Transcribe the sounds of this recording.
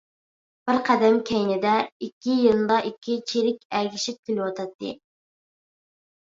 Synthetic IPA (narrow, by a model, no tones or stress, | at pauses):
b̥ɪɾqʰæd̪ɛmkʲʰɛjnɪd̪ɛikʲːijɨlˠd̪ɑʔikʲʰːit͡ʃʰeɾɪkʲɛɡʲiʃip̚kʲʰelɪwɑt̪ʰɑt̪ʰːɨ̰